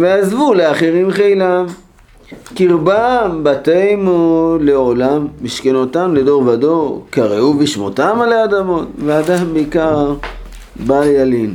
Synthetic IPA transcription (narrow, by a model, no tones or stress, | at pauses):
veazvuleaχeʁimχejlam | kiʁbambatejmoleolamːiʃkenotamled̪o̞ʁvado̞kaʁeubiʃmotamalaad̪amo̞tvead̪ambeikaʁ | baljalim